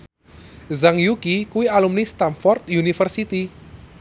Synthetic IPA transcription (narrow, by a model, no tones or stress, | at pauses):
zaŋjukikuwialumnist̪anfɔrt̪junifərsit̪i